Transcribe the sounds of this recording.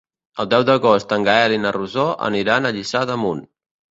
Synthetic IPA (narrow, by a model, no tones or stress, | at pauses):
əlˠd̪ɛwd̪əɣost̪əŋɡaɛlinəruzoʔə̰niɾanəʎisaðəmun